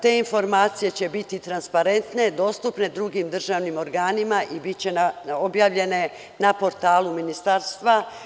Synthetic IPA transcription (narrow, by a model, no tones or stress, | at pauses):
t̪e̞ːinfo̞ɾmaːt̪sije̞t͡ɕe̞bit̪it̪ɾanspaɾe̞nt̪ne̞d̪o̞ːst̪upne̞d̪ɾuɡimd̪r̩ʒaːʋnimo̞ɾɡaːnimaʔibit̪t͡ɕe̞naobjaːʋʎe̞ne̞ | napo̞ɾt̪aːluminist̪aɾst̪ʋa